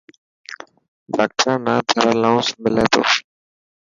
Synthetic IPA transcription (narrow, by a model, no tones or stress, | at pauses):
bak̚ʈʰãːnaːd̪ʰʱəɾaːlaːʊ̃smɪlɛːt̪o̰ː